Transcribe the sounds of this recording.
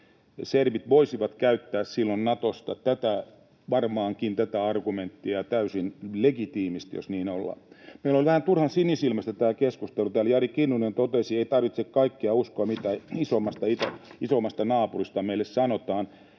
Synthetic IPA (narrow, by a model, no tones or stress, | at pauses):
serʋit̪ʋoisiʋɑt̪kæyt̪ːæːssilːonnɑt̪ost̪ɑt̪æt̪æ | ʋɑrmɑːŋkint̪æt̪æɑrɡument̪ːiɑt̪æysinleɡit̪iːmist̪jo̰sniːnolːɑ̰meilːolʋæhænt̪urhɑnsinisilmæst̪æt̪æːkeskust̪elut̪æːljɑrikinːunent̪ot̪esieit̪ɑrʋit̪sekkɑikːeɑuskoɑmit̪æisomːɑst̪ɑit̪æ̰isomːɑst̪ɑnɑːpurist̪ɑmeilːessɑnot̪ɑːn